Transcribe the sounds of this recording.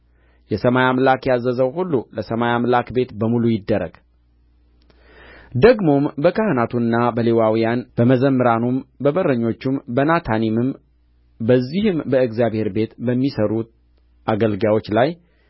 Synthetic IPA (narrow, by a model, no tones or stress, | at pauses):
jɛsəmajamlakjazːəzəwhulːuləsəmajamlakbe̞t̪bəmulujɪd̪ːəɾə̰ɡ̥ | d̪əɡmo̞mbəkʰəhnat̪ʰuɨnːabəlewawijanb̥əməzəmːɨɾanumbəbərəɲːo̞t͡ʃːumbənat̪ʰanimɨm | bəzːihɨmbəɨɡzjaβhe̞ɾbe̞t̪bəmːisəɾut̪ | ʔaɡəlɡawo̞t͡ʃːlaj